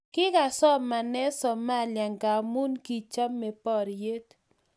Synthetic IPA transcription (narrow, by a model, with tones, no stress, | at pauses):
kɪ˦ka˨sɔ˦ma˨nɛ˦sɔ˨ma˦˨lja˨ŋɡa˨mu˦nki˨t͡ʃa˦mːe˨pɔ˦ɾje˦t